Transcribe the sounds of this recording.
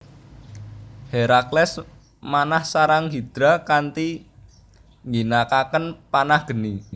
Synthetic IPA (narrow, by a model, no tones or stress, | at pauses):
heɾaklɛs | manahsaɾaŋɦid̪̥ɾakant̪i | ŋɡinakakənpanahɡ̥ə̤ni